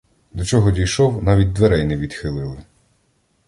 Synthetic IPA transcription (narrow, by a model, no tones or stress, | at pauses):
d̪ɔt͡ʃɔɦɔdʲijʃɔwnɑʋʲid̚ʲd̪ʋeɾɛjnɛʋʲid̪̥xɪlˠɪlˠɪ